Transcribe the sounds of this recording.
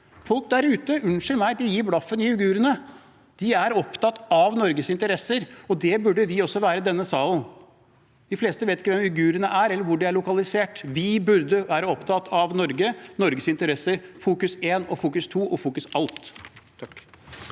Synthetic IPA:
fɔlk̚d̪æɾʉːt̪əʔʉnʂəɾmæɪd̪ɪjiːɾblɑfːənɪʉɡʉːɾənə | d̪̥ɪæɾɔpt̪ɑt̪ɑʋnɔɾɡəsɪnt̪əɾɛsːəɾɔd̪ɛbʉɖəʋɪɔsːɔʋæːɾəd̪ɛnːəsɑːlən | d̪ɪfleːst̪əʋeːt̪ɪkːəʋɛmʉɡʉːɾənəʔæɾɛlːəɾʋʊɖɛæɭʊkɑlɪseːʈʋɪbʉɾd̪əʋæːɾəɔpt̪ʰɑt̪ʰɑʋnɔɾɡənɔɾɡəsɪnt̪əɾɛsːəɾfuːkʉseːnɔfuːkʉst̪ʰuːʔɔfuːkʉsɑlt̪

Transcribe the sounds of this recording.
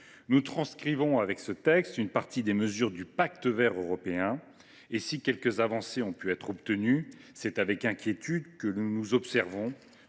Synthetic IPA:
nut̪χɑ̃skχivɔ̃avɛksət̪ɛkst̪ynpaʁt̪id̪eməzyʁd̪ypakt̪əvɛʁøʁɔpeɛ̃ | esikʲɛlkəzavɑ̃seɔ̃pyɛt̪χɔbt̪ənysɛt̪avɛkɛ̃kʲjet̪yd̪kənuzɔpsɛʁvɔ̃

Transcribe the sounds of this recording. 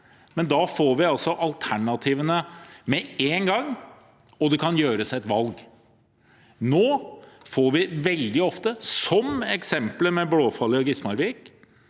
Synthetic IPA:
mɛnd̪ɑːfoːɾʋɪɑlsɔʔɑlt̪ʰæɳɑt̪ʰiːʋənəmɛeːnɡɑŋː | ɔd̪ɛkʰɑnjøːɾəsɛt̪ʋɑlɡ | noːfoːɾʋɪʋɛld̪ɪɔft̪əsɔmɛksɛmpləmɛbloːfɑlːɪɔɡɪsmɑɾʋiːk

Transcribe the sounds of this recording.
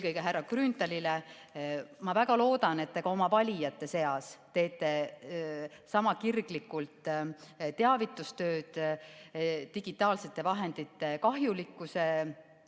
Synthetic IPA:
elkɤjɡeɦærːɑkrynt̪ɑlile | mɑvæɡ̥ɑlo̞ːd̪ɑne̞t̪ːeɡ̥ɑo̞mɑvɑlʲijɑt̪ːˑe̞se̞ɑst̪e̞ːt̪ːˑe̞ | sɑmɑkirɡ̥likːˑult̪ˑt̪ːe̞ɑvit̪ːˑust̪ø̞ːd̪̥ | t̪iɡ̥it̪ːˑɑːlse̞t̪ːˑe̞vɑɦe̞nd̪̥it̪ːˑe̞kɑɦjulikːˑuse̞

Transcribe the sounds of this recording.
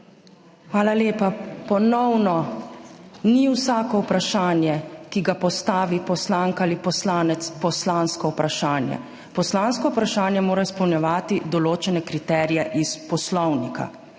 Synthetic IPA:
xʋaːlaleːpapɔnɔwnɔ | niwsaːkɔupɾaʃaːnjɛkiɡapɔst̪aːʋipɔslaŋkalipɔslaːnɛt̪spɔslaːnskɔwpɾaʃaːnjɛ̰ | pɔslaːnskɔupɾaʃaːnjɛmoːɾaispɔwnjɛʋaːt̪id̪ɔloːt͡ʃɛnɛkɾit̪ɛːɾijɛʔispɔslɔwnikʰa̰

